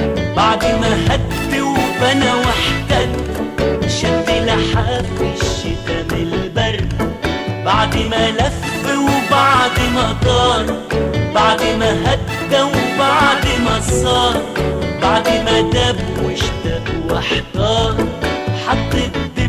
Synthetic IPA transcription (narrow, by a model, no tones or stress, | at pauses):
baʕd̪maɦad̪ːawbanawaħt̪ad̪ | ʃaɡːɪlaħaːdɪʃːɪt̪amɪlbɑɾˤ | baʕd̪malafːɪwbaʕd̪mat̪ˤɑːɾˤ | baʕd̪maɦad̪ːawbaʕd̪masˤɑːɾˤbaʕd̪mad̪abwɪʃt̪aʔwaħt̪ɑːɾˤħɑt̪ˤːɨ